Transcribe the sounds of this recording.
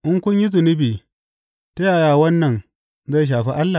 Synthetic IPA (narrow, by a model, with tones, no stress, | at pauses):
ʔɪ˦ŋkʷʊ˦ɲji˦zɪ˨nɪ˦biː˨ | ta˦ja˨jaː˨wɐ˦nːɐ˨n | za˦˨jʃ̬aː˨ɸi˦ʔa˦lːa˨